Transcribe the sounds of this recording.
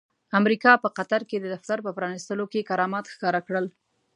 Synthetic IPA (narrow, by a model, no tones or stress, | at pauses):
amɾikɑpəqat̪aɾked̪əd̪aft̪aɾpəpɾɑnist̪əlokekaɾɑmɑt̪xkɑɾakɽəl